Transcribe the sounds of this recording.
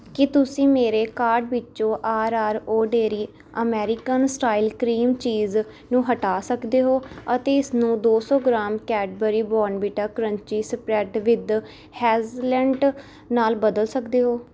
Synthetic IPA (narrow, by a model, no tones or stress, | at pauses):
kɪt̪ʊsĩːmeːɾeːkaːɾɖbɪtːt͡ʃõːʔaːɾaːɾoːɖeːɾiː | əmɛːɾɪkənsʈaːilkɾiːmt͡ʃiːz | nũːɦəʈaːsəkd̪eːɦoːət̪eːɪsnũːd̪oːsɔːɡɾaːmkɛːɖ̚bəɾiːbɔːɾnbiːʈaːkɾə̃ɲt͡ʃiːsəpɾɛːʈʋɪd̪ | hɛːzlɛ̃ːɳɖ | naːlbəd̪əlsəkd̪eːɦoː